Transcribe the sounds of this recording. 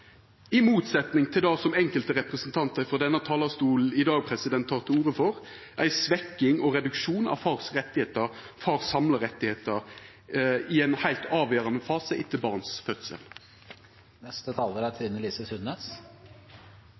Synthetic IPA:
ɪmuːt̪sɛt̪nɪŋt̪ʰɪld̪ɑːsɔmɛŋkəlt̪əɾɛpʁəsənt̪ʰɑnt̪əfɔd̪ɛnːət̪ʰɑːlɑst̪uːl̩ɪd̪ɑːɡ̚pʰɾɛsɪd̪ɛnt̪ʰːɑːʁt̪ʰɪuːʁəfɔʁ | ʔæɪsʋɛkːɪŋɔʁɛd̪ʉkʃuːnɑ̰ʋfɑʁsʁɛt̪ːɪheːt̪əʁ | fɑʁsɑmləɾɛt̪ːɪheːt̪əɾ | ɪɛɪnhæɪlt̪ɑːʋjøːɾɑnəfɑːsəʔɪt̪ʰːəbɑːʁnsfœt̪sə̰l | nɛst̪ət̪ʰɑːləɾæt̪ʰɪnəliːsəsʉnːeːs

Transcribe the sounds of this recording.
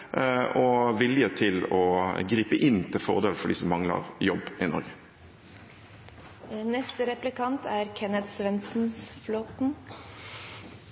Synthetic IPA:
ɔʋɪljət̪ʰɪlɔɡɾiːpəʔɪnːt̪ʰɪlfɔ̰ʁd̪eːl̩fɔɖɪ̰sɔmːɑŋlə̰ʁjɔbːɪnɔ̰ɾʁɡə | nɛst̪əɾɛplɪkʰɑnt̪ʰæːɾkʰɛnət̪sʋɛnsn̩sfloːt̪n

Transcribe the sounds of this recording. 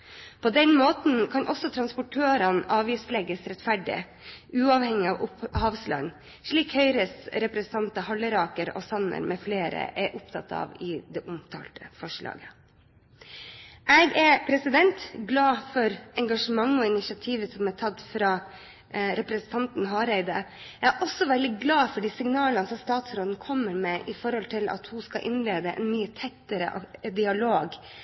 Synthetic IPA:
pʰɔd̪ɛnmoːt̪nkʰɑnʔɔsɔt̪ʰɾɑnspʊʈʰøːɾɑnʔɑːʋiːslɛɡəsɾɛt̪fæɖɪ̰ | ʔʉːɑːʋhɛŋɪɑʋhɑːʋslɑ̰ŋ | ʂɭiːkhœʏɾəsɾɛpɾɛsnt̪ʰɑnt̪əhɑlːəɾɑːkəɾɔ̰sɑnə̰ɾmʔɛfleːɾə̰ʔɛʔʊpt̪ʰɑt̪ɑ̰ːʋɪd̪ɛʔʊmt̪ʰɑ̰ːlt̪ʰəfɔʂɭɑ̰ːɡə | ʔɛɡɛɾpʰɾɛsɪd̪ɛnt̪ɡlɑːfɔɾɛŋɡɑʂəmɑŋːɔɪnɪʃɪɑt̪ʰiːʋəsɔmæʈ̪ʰɑd̪fɾɑː | ɾɛpɾɛsnt̪ʰɑnt̪n̩ɦɑːɾɛɪd̪ə | ɛʔɔsɔʋɛld̪ɪɡlɑːfɔɖiːsɪŋnɑːlənəsɔmst̪ɑːt̪sɾoːd̪nkʰɔmːəɾmɛːʔɪfɔɾhɔlt̪ʰɪlʔɑ̰t̪hʊskɑʔɪnleːd̪əʔɛ̰nmyːət̪ʰɛt̪ːəɾə̰ʔd̪ɪɑloːɡ

